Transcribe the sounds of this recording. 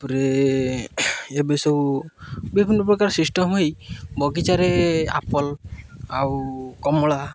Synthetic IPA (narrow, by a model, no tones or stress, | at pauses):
pɔɾe | ebesow | bibʱinːɔpɾɔkaɾsisʈɔmɦojbɔɡit͡ʃaɾea̰pɔlawkɔmɔɭa